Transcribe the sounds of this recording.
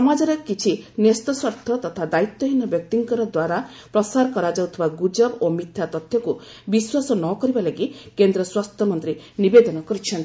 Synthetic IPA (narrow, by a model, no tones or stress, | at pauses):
sɔmad͡ʒɔɾɔkit͡ʃʰinest̪ɔswɔɾt̪ʰɔt̪ɔt̪ʰad̪ait̪ːɔɦinɔbjɔk̚t̪iŋkɔɾɔd̪waɾa | pɾɔsaɾɔkɔɾad͡ʒawt̪ʰibaɡud͡ʒɔbomit̪ʰjat̪ɔt̪ʰjɔku | biswasɔnɔkɔɾibalaɡikend̪ɾɔswast̪ʰjɔmɔnt̪ɾi | nibed̪ɔnɔkɔɾut͡ʃʰɔnt̪ii